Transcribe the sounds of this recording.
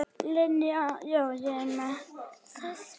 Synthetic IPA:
lenjɔjɛna

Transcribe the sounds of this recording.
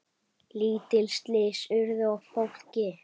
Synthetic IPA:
liːt̪ɪlst̪lɪsʏɾðʏɔɣfowl̥cɪ

